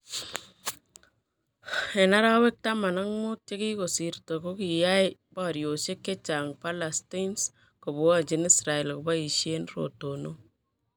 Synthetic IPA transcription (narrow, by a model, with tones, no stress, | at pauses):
e˨na˦ɾa˦we˦k̚tama˨na˦ŋmo˦tt͡ʃe˦ki˦ko˨si˨rto˨ko˦ki˨jajba˨ɾjo˨se˦kːe˦t͡ʃa˨ŋpalasti˦ns | ko˨βu˨wat͡ʃini˦sɾa˨e˨lkoba˦i˨ʃjeː˦nro̰˨tono˦